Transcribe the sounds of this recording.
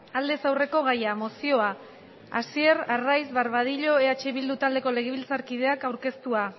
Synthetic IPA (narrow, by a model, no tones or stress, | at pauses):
ald̪e̞sawre̞ko̞ɣ̞ajamo̞sio̞a | asie̞rarajzβaɾβaðiʎo̞eat͡ʃeβild̪ut̪ald̪e̞ko̞le̞ɣ̞eβilt͡saɾkiðe̞akawɾke̞st̪ua